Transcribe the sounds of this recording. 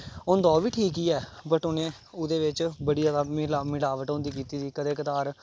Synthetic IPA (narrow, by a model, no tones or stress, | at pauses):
ʊnd̪ɔːʋiːʈʰiːkiːɛːbəʈʊnẽː | ʊd̪eːʋɪt͡ʃbəɽijaːd̪aːmɪlaːmɪlaːʋəʈõːnd̪iːkiːt̪iːd̪iːkəd̪eːkət̪aːɾ